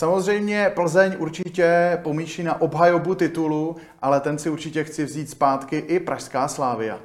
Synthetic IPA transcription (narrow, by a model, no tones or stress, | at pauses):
samo̞zr̝ɛjmɲɛpl̩zɛɲuɾt͡ʃɪcɛpo̞miːʃinaʔo̞bɦajobut̪ɪt̪ulu | ʔalɛt̪ɛnsɪuɾt͡ʃɪcɛxt͡sɪvziːt̪spaːt̪kɪʔɪpɾʔaʃskaːslaːvɪja̰